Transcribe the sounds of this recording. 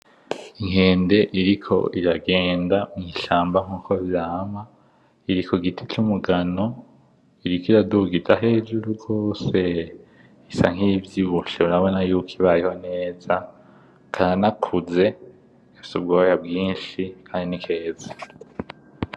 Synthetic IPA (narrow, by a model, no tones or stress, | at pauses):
iŋ̥e̞ːnde̞ʔiɾikʰo̞̰ʔiɾaɡeːndamŋiːʃaːmbaŋ̥uːkʰo̞vjaːma | iɾikoɡitʰit͡ʃumuɡano̞ | iɾikiɾaduɡitaɦe̞ːd͡ʒuɾuɡo̞ːse̞ | isa̰ŋ̥ivjiβuʃeuɾaβo̞najuːkʰiβajeho̞ne̞ːza | kʰaanakʰuze̞ | ɡ̥afi̥sub̚ɡojabɡiːnʃikʰaːndinikʰe̞ːza